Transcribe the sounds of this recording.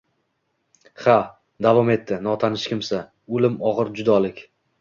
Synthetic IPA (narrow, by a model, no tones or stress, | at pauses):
χa | d̪avɒme̞t̪ʰːɪnɒt̪ʰanɪʃkʲɪmsa | olɪmɒʁɨɾd͡ʒʊd̪ɒlɪkʲ